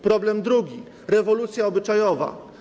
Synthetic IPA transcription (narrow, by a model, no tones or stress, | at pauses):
pɾɔblɛmd̪ɾuɡʲi | ɾɛvɔlut̪sʲjaɔbɘt͡ʂajɔva̰